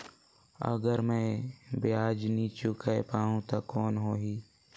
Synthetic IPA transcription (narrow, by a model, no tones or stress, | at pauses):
ə̰ɡəɾmɛ̃ːbeaːd͡ʒniːt͡ʃukʰaepaːɦũt̪okɔːnɦoːɦiː